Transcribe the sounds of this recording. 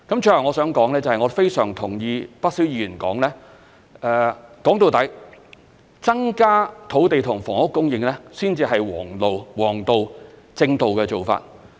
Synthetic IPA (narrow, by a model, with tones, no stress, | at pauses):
kɐ˨˥mt͡ʃʰːlɐ˨˩ŋɔː˨˧sœː˨˥ŋkɔː˨˥ŋlɛː˥t͡sɐ˨˧hɐ˨jŋɔː˨˧fe˥jsœː˨˩ŋt̪ʰʊ˨˩ŋjiː˧pɐ˥t̚siː˨˥wjiː˧jyː˨˩nkɔ̰ː˨˥ŋlɛː˥ | ʔɛː˨˧kɔː˨˥ŋt̪o˨wt̪ɐ˨˥j | t͡sɐ˥ŋkaː˥t̪ʰo˨˥wt̪e˨jt̪ʰʊ˨˩ŋfɔː˨˩ŋhʊ˥kːʊ˥ŋjɪ˨˧ŋlɛː˥siː˥nt͡siː˨˧ɦɐ˨jwɔ̰ː˨˩ŋlo˨wwɔː˨˩ŋt̪o˨˧w | t͡sɪ˧ŋt̪o˨wkɛː˧t͡so˨wfa̰ː˧t̚